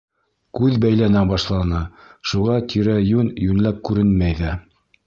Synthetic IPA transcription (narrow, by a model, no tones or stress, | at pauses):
kʉðbæjlænæbɑʃlˠɑnɤʃuʁɑt̪ʰiɾæjʉnjʉnlæp̚kʉɾɘnmæjðæ